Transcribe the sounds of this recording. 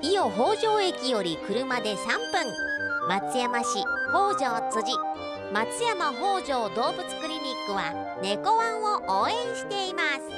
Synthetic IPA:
ijo̞ɦo̞ːʑo̞ːe̞kʲijo̞ɾʲikɯ̟ɾɯ̟mad̪e̞sãmpɯ̟̃ŋmat͡sɨjamaɕiho̞ːʑo̞ːt͡sɨʑi | mat͡sɨjamaɦo̞ːʑo̞ːd̪o̞ːbɯ̟t͡sɨ̥kɯ̟ɾʲimʲikːɯ̟βa | ne̞ko̞βãɰ̃o̞ʔoːẽ̞ɰ̃ɕi̥t̪e̞imasɨ̥

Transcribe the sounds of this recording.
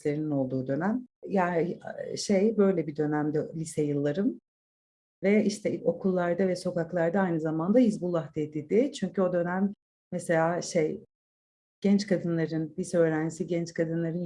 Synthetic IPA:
lʲe̞ɾinino̞lˠd̪uːd̪ø̞næmjaːniʃe̞jbø̞jlʲɛbid̪ø̞næmd̪ɛlʲisɛjɯlˠːaɾɯm | vɛiʃt̪ʰɛo̞kʰulˠːaɾd̪avɛso̞kaklˠaɾd̪aajnɯzamand̪aizbulˠːahd̪ed̪id̪ɪt͡ʃʰyɲcʰyo̞d̪ø̞næmː | ɛse̞lʲaːʃe̞j | ɟ̥ɛnt͡ʃkʰad̪ɯnlˠaɾɯnlʲisɛøːɾænd͡ʒisiɟɛnt͡ʃkʰad̪ɯnlˠaɾɯn

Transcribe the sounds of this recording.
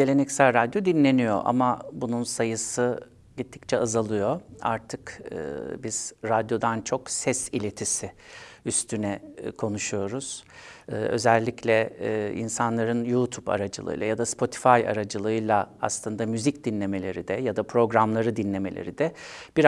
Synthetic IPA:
e̞lʲe̞nɛcsælʲɾad̪jo̞d̪inlːʲe̞nijo̞̰ʔa̰mabununsajɯsɯ | ɟit̪ʰːi̥ct͡ʃʰɛazalˠɯjo̞a̰ɾt̪ʰɯkɯ̰biz̥ɾad̪jo̞d̪ant͡ʃʰo̞ksɛsilʲe̞t̪ʰisɪyst̪ʰynɛkʰo̞nuʃujo̞ɾuz̥ɯːø̞̰zɛlʲːicʰlʲɛḭnsanlˠaɾɯnjut̪ʰupa̰ɾad͡ʒɯlˠɯ̰jlˠajad̪aspʰo̞t̪ʰi̥faja̰ɾad͡ʒɯlˠɯɯjlˠaa̰slˠɯnd̪amyzicd̪inlʲe̞me̞lʲe̞ɾid̪ɛjad̪apʰɾo̞ɡɾamlˠaɾɯd̪inlʲe̞melʲḛɾid̪ɛb̥iɾ

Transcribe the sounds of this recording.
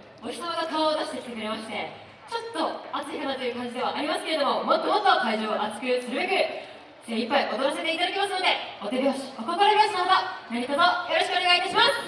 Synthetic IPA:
oçʲi̥t̪oɡakaoːd̪aɕi̥t̪e̞kʲi̥t̪e̞kɯ̟ɾe̞maɕi̥t̪e̞ | t͡ɕo̞t̪ːo̞at͡sɨik̪anat̪o̞jɯ̟kãɲd͡ʑid̪e̞βaʔaɾʲimasɨ̥ke̞ɾe̞d̪o̞mo̞mo̞t̪ːo̞motːokaiʑo̞ːʔat͡sɨ̥kɯ̟ɾɯsɨɾɯ̟be̞kɯ̟ | d̪eipːaiʔo̞t̪oɾas̬e̞t̪e̞it̪ad̪ak̬ʲe̞masɨno̞d̪e̞ot̪e̞beoɕi̥okok̪oɾaɾʲiasnaobanaɾʲit̪ot̪ojo̞ɾo̞ɕi̥kɯoneait̪aɕimasɨ̥

